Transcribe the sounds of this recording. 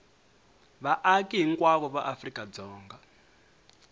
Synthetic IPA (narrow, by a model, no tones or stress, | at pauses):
βaʔakʼiɦiŋ̩kʼwaβɔβaʔafrikʼad͡zɔːŋɡa